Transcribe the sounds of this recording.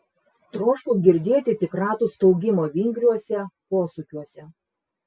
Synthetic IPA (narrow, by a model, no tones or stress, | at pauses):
t̪ɾoːʃkʊˑɡʲɪɾʲd̪ʲeːt̪ʲɪt̪ʲɪkɾɑːt̪ust̪ɔʊɡʲɪmoːʋʲɪŋʲɡɾʲuɔsʲɛpoːsʊkʲuɔsʲɛ